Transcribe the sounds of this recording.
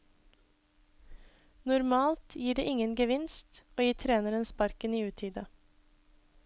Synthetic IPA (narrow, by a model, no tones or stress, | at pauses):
nʊɾmɑːlt̪jiːɖḛːʔɪŋənɡəʋɪnst̪oːjiːt̪ʰɾeːnəɾənspɑɾkəniːʉːt̪ʰiːd̪ə